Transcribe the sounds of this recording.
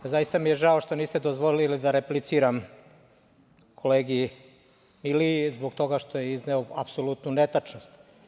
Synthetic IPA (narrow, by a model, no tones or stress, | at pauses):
zajist̪amijeʒaoʃt̪o̞niːst̪e̞d̪ozʋolilid̪aɾeplit̪siːɾam | kʰo̞leːɡi | milizboɡt̪o̞ɡaʃt̪o̞jeizneoapsolut̪nunet̪at͡ʂno̞st̪